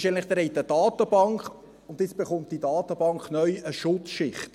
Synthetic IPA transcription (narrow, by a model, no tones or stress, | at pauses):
ʃɛnlɪχd̪ɾɛɪtəd̥ɑːtəb̥ɑŋkχ | ʊndɪt͡sb̥eχʊmt̚d̥idɑːtəbɑŋkχnœʏəʃʊt͡sʃɪχt